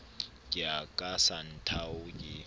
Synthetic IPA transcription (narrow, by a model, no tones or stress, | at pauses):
kʼɪakʼasan̩tʰaʊɡɪ